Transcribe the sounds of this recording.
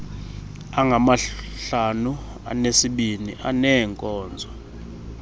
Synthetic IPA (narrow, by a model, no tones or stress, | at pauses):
aŋɡʱamaɬanu | a̰nesiɓiniʔanɛŋkʼɔːnd͡zʱɔ